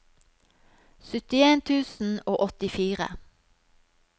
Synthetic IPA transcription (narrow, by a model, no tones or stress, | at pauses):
sʏt̪ɪeːnt̪ʰʉːsn̩oːʔɔt̪ɪfiːʁə̰